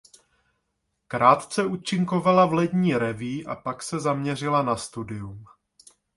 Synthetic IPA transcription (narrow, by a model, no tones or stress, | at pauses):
kɾaːt̪t͡sɛut͡ʃɪŋkovalavlɛd̪ɲiːɾɛviːʔa̰paksɛzamɲɛr̝ɪlanast̪udɪum